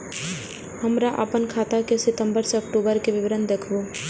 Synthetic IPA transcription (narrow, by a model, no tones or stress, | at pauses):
həmɾaʔə̰pənkʰaːt̪akesɪt̪ə̃mbəɾseɐkʈoːbəɾkeʋɪʋɾənd̪eːkʰoː